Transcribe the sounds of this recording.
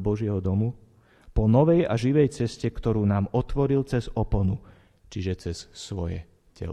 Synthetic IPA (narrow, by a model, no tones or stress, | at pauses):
bɔʒɪɛɦɔd̪ɔmu | pɔnɔʋɛjaʒiʋɛjt͡sɛscɛkt̪ɔɾuːnaːmɔt̪ʋɔɾilt͡sɛzɔpɔnu | t͡ʃiʒɛt͡sɛssʋɔ̰jɛ̰ | cɛ̰l